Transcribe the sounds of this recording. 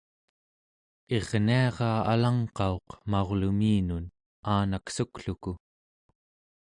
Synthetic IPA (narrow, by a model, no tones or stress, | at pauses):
e̞ʁniɑʁɑːalaŋqɑo̞qmaoʁlumiːnun | aːnaksukɬuku